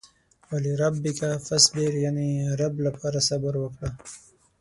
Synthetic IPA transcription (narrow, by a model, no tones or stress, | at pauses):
waliɾabːɪkafasb̪eɾjaniɾablapɑɾasabəɾwəkɽa